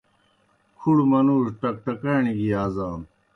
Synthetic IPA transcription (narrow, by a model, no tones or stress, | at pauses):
kʰuɽmɐnuːʂʈɐk̚ʈɐkaːɳiɡiaːzaːn